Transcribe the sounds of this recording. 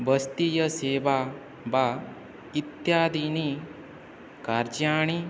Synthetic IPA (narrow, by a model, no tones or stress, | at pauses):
bəst̪ijɐseːʋa | ba | it̪jaːd̪ini | kaɾd͡ʒaːɳ̃i